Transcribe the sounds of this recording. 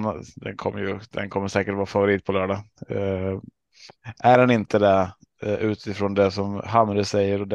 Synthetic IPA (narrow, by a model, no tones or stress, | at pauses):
nd̪ɛ̰nkʰɔ̰mːəɾjɵd̪ɛ̰nkʰɔmːəɾʂɛːkəʈvɑːɾfavʊɾiːt̪̚pʰɔlœːɖa | ʔæɾɛnɪnt̪əd̪ɛ | ʉ̟ːt̪ɪfɾond̪ɛsɔmɦamːɾəsɛjːəɾɔd̪ɛ